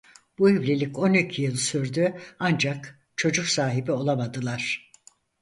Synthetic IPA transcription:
b̥uivlʲelʲicʰo̞nicʰijɯlˠsyɾd̪yand͡ʒak | t͡ʃʰo̞d͡ʒuksaːɦibio̞lˠamad̪ɯlˠaɾ̥

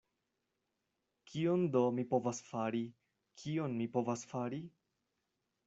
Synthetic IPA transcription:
kʰiond̪o̞mipo̞vasfaɾi | kʰio̞nmipo̞vasfaɾi

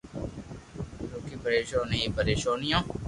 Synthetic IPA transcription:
ɾoːkiːpəɾeːʃoːniːpəɾeːʃoːnɪjõː

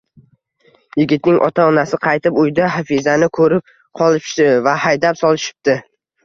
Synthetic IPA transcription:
jɪɡʲɪt̪nɪŋʔɒ̰t̪ʰaɒnasɪqʰɑjt̪ɪpʊjd̪aɦafizanɪkʰɵɾɪp̚ | qʰɒlˠɪp̪ɪvahajd̪apsɒlˠɪʃɪ̥p̚t̪ɪ

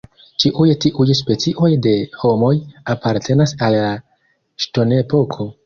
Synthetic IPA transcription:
t͡ʃiʔujtiʔujspe̞t͡siʔo̞jde̞ho̞mo̞japaɾtʰe̞nasalːa | ʃto̞ne̞po̞kʰo̞

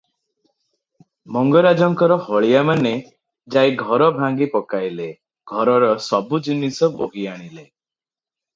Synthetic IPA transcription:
mɔŋɡɔɾad͡ʒɔŋkɔɾɔhɔɭijamane | d͡ʒajɡʱɔɾɔbʱaŋɡipɔkajle | ɡʱɔɾɔɾɔsɔbud͡ʒinisɔbo̰ɡiaɽ̃ile

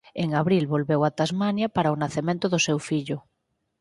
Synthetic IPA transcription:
eŋaβɾilβolβewat̪azmanjapaɾaonaθemẽnt̪ʊðosewfiʎʊ

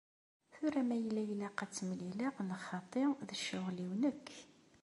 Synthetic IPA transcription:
θʊɾæmæjəlːæjəlːæqæt͡sːmlilæʁlχɑt̪ˤeʁðəʃːʊʁliwnəkː

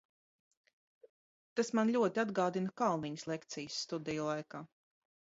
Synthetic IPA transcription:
t̪asmanʎʲuɔt̪ʲiad̪ɡaːd̪inɐkalˠniɲslˠekt̪sijəsːt̪ud̪ɛjulˠajkaː

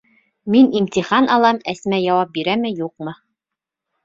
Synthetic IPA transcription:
minimt̪ʲiχɑnɑlˠɑmæsmæjɑwɑp̚biɾæmɘjuq̚mɤ

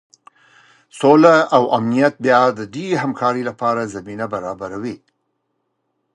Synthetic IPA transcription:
solaawʔamnijat̪̚bjɑd̪ədeɾɦamkʰɑɾilapɑɾazaminabaɾɑbaɾawi

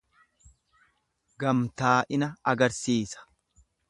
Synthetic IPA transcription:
ɡɐmt̪aːʔɪnɐɐɡɐɾsiːsɐ̥

